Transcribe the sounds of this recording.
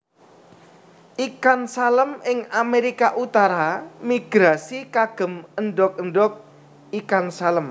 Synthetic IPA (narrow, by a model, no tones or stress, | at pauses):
ʔikansaləmɪŋameɾikaʔut̪aɾamiɡ̥ɾasikaɡ̥ə̤mənɖɔk̚ənɖɔk̚ | ikansaləm